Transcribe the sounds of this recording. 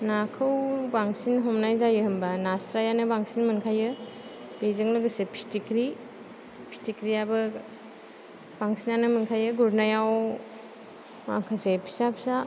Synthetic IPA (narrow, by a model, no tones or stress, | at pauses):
nakʰɯwbaŋsinɦɔmnajzajɯhɯmbanasɾajanɯbaŋsinmɯnkʰajɯ | b̥ezɯŋlɯɡɯsepʰi̥stikɾi | pʰi̥stikɾiabɯ | b̥aŋsinanɯmɯnkʰajɯɡuɾnajaw | ma̰kʰasepʰi̥sapʰi̥sa